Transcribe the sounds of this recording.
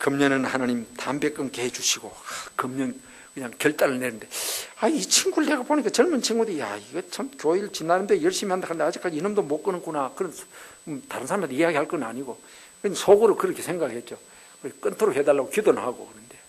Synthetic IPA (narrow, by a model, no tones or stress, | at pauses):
kɯmɲʌnɯnhanaɲimtambe̞k͈ɯnkeɦet͡ɕuɕʰiɡokɯmɲʌn | kɯɲaŋkjʌɭt͈ʼaɾɯɭne̞nɯnde̞ait͡ɕʰiŋɡuɭdeɡapoɲik͈at͡ɕʌɭmunt͡ɕʰiŋɡudija̰iɡet͡ɕʰamkjoiɭt͡ɕinːaɾɯndejʌɭɕ͈imihand̪akʰanɯndead͡ʑik͈ad͡ʑiinɯmdomok͈ɯnɯŋkunakɯɾʌn | taɾɯnsʰaɾamedieɦaɡihaɭk͈ʌnɯnaɲiɡo | kɯɲsʰoɡoɾokɯɾʌkʰe̞sʰe̞ŋɡaɡɯɭhe̞t̚t͡ɕ͈o | kɯek͈ɯntʰoɾohe̞daɭːaɡokidonɯnhaɡo̰kɯɾɯnde̞